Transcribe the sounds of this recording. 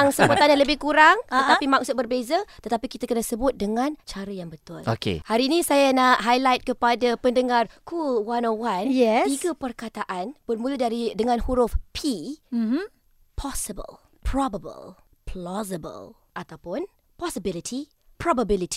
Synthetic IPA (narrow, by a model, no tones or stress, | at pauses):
ŋsəbut̪aɲaləbɪhkuɾaŋtət̪apimãk̚sʊt̪̚bərbezat̪ət̪apikit̪akənasəbʊt̪̚dəŋãnt͡ʃaɾəjaŋbət̪ʊlo̰kḛhaɾiːnĩsajanaʔɦajlajt̪̚kəpadapəndəŋarkʰulwanɔwanjɛiɡəpərkat̪aʔanbərmũlədaɾidəŋãnhuɾʊfpʰi | pʰɔsəbə̰l | pʰɾɔbəbə̰l | pʰlɔzəbə̰l | ʔat̪awpʊn | pɔsəbilit̪ʰi | pɾɔbabilit̪i̥